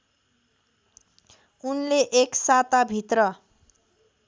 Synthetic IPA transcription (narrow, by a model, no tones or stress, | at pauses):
unleʔeksat̪abʱit̪rʌ